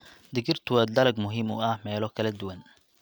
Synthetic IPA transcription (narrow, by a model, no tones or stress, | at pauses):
d̪ɪɡɪrt̪ʰʊwɐd̪ɐlɐɡmʊɦiːmʊɐhmɛːlɔkʰɐlɐd̪ʊwɐn